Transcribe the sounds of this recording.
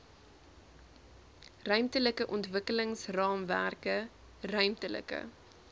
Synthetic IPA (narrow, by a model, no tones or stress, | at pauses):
rœɥmtələkəʔɔntvəkələŋsrɑːmværkə | rœɥmtələ̰kə̰